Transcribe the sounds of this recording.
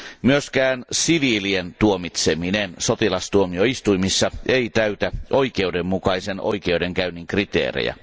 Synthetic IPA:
myøskæːnsiʋilient̪uomit̪seminensot̪ilɑst̪uomioist̪uimisːɑeit̪æyt̪æʔoikeudemːmukɑiseno̰ikeudeŋkæynːiŋkrit̪ḛːrḛjæ̰

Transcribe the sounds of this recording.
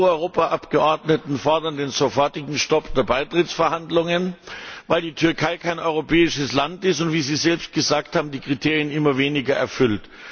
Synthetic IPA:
ɔʏʁoːpaʔapɡ̥əʔɔɐdnətn̩fɔɐdɐndeːnzofɔɐtɪɡŋ̩ʃtɔpd̥eːɐbaɪtʁ̥ɪt͡sfɛɐhandlʊŋənvaɪldiːtʰʏɐkʰaɪkʰaɪnʔɔʏʁopʰɛːɪʃəslantɪstʊntv̥iːziːzɛlpst̚ɡ̥əzaːk̚thaːbm̩diːkʁ̥itʰeːʁjənʔɪmɐveːnɪɡɐʔɛ̰ɐfʏlt

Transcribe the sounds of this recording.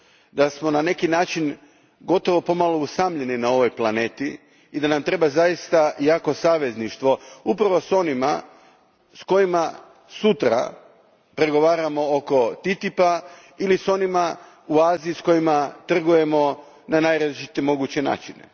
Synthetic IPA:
d̪asmo̞nane̞kinaːt͡ʃin | ɡo̞t̪o̞ʋo̞po̞malousamʎe̞ninao̞ʋo̞jplˠane̞ːt̪i | id̪anamt̪ɾe̞bazajist̪ajaːko̞saːʋe̞zniʃt̪ʋo̞upɾaʋo̞so̞nima̰ | sko̞jima | sut̪ɾa̰ | pɾe̞ɡo̞ʋaːɾamo̞oko̞t̪it̪ipa | iliso̞nima | uaːziːsko̞jimat̪r̩ɡuje̞mo̞ | nanajɾat͡ʃit̪emo̞ɡut͡ɕe̞na̰ːt͡ʃine̞̰

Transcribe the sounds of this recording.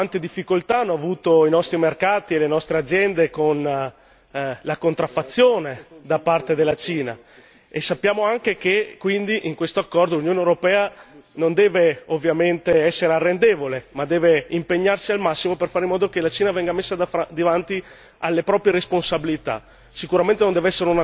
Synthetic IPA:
ant̪ed̪ifːikolt̪aanːɔavuːt̪oinɔst̪ɾimerkaːt̪ielenɔst̪ɾead̪zːjɛnd̪ekon | lakont̪ɾafːat̪sːjoːned̪apart̪ed̪elːat͡ʃiːna̰ | esːapːjaːmoaŋkekekwind̪iʔiŋkwest̪oakːɔrd̪olunjoːnewɾopɛːanond̪ɛːveovːjament̪eɛsːeɾearːend̪eːvolemad̪ɛːveimpeɲːarsialmasːimoperfaːɾeimːɔːd̪okelat͡ʃiːnavɛŋɡamesːad̪avant̪i | alːepɾɔːpɾjeɾesponsabilit̪a̰ | sikuɾament̪enõnd̪ɛveɛsːeɾeuna

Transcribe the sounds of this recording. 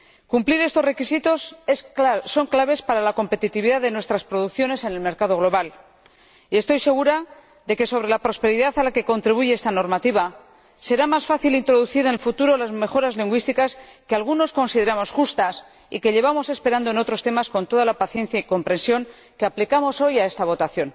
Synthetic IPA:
kumpliɾe̞st̪o̞zre̞kisit̪o̞s | so̞ŋklaβ̞e̞spaɾalako̞mpe̞t̪it̪iβiðaðenwe̞st̪ɾaspɾo̞ðukθjo̞ne̞se̞ne̞lme̞ɾkaðo̞ɣ̞lo̞βal | ie̞st̪o̞jse̞ɣuɾa | ðe̞ke̞so̞β̞ɾe̞lapɾo̞spe̞ɾiðaθalake̞ko̞nt̪ɾiβ̞uʝeest̪ano̞ɾmat̪iβa | se̞ɾamasfaθilint̪ɾo̞ð̞uθiɾenelfut̪uɾo̞lazme̞xo̞ɾazliŋɡwist̪ikaske̞alɣ̞uno̞sko̞nsiðe̞ɾamo̞sxust̪as | ḭke̞ʎe̞βamo̞se̞spe̞ɾand̪oeno̞t̪ɾo̞st̪e̞masko̞nt̪o̞ðalapaθje̞nθjaiko̞mpɾe̞nsjo̞ŋ | keaplikamo̞so̞jae̞st̪aβ̞o̞t̪aθjo̞n

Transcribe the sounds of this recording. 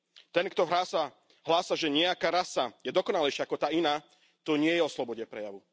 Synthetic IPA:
t̪ɛnkt̪ɔɦasa | ɦlaːsaʒɛɲɪɛakaːɾasajɛd̪ɔkɔnalɛjʃɪaakɔt̪aːinaː | t̪ɔɲɪɛjɛɔslɔbɔɟɛpɾɛjaʋu

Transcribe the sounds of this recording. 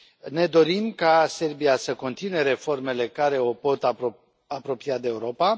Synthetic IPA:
ne̞d̪o̞ɾimkase̞rbiasəko̞nt̪ineɾe̞fo̞rme̞le̞kaɾe̞o̞po̞t̪ | apɾo̞piad̪e̞ːuɾo̞pa

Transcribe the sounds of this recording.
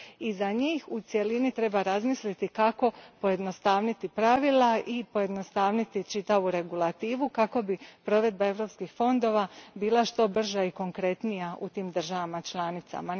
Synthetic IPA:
izaɲiːxut̪sje̞linit̪ɾe̞baɾazmislit̪ikako̞po̞je̞d̪no̞st̪aːʋnit̪ipɾaʋilˠaʔipo̞je̞d̪no̞st̪aːʋnit̪it͡ʃit̪aʋuɾe̞ɡulˠat̪iːʋukako̞bipɾo̞ʋe̞d̪̚bae̞ʋɾo̞pskixfo̞nd̪o̞ːʋabiːlˠaʃt̪o̞br̩ʒaiko̞ŋkɾe̞t̪nijaʔṵt̪iːmd̪r̩ʒaʋamat͡ʃlˠanit̪sa̰ma

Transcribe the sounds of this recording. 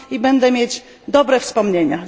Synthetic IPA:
ibɛnd̪ɛmʲjed͡ʑ | d̪ɔbɾɛfspɔmɲeɲa

